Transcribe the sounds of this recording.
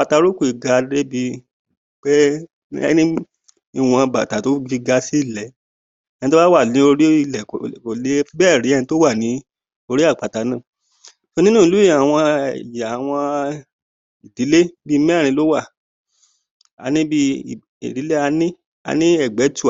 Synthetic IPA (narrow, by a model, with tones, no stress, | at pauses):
k͡pa˧ta˧ɾo˦ku˦i˨ɡa˧de˦bi˧ | k͡pɛ̰˦ | nĩ˦ | i˦˨w̃ɔ̃˧ba˨ta˨to˨˦i˧ɡa˧si˦i˦˨lɛ˨ | ɛ̃˦˧ĩ˧to˦ba˦wa˦˨nĩ˨˦o˧ɾi˦i˦˨lɛ˨o˨le˨˦fi˧˦bɛː˦˨ɾi˨˦ɛ˦˧ĩ˧˦to˦wa˦˨nĩ˨˦ | o˧ɾi˦a˦˨k͡pa˨ta˨˦nãː˦˨ | fo˧nĩ˦nũ˦˨i˧lu˦ja˨w̃ɔ̃˧˨ja˨w̃ɔ̃˧ | i˨di˨˦le˦bi˦˧˦mɛ̃˦˨ɾĩ˧˦lo˦wa˦˨ | a̰˨˧nĩ˦bi˦˨ | ḭ˨di˨˦le˦a˧nĩ˦ | a̰˨˧nĩ˦ɛ˦˨ɡ͡bɛ˨˦tu˦˨